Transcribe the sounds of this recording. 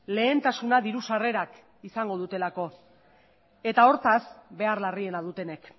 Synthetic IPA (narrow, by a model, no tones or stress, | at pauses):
le̞ːnt̪asunaðiɾusare̞ɾak | isaŋɡo̞ðut̪e̞lako̞ | e̞t̪ao̞ɾt̪asbe̞arlarie̞nað̞ut̪e̞ne̞k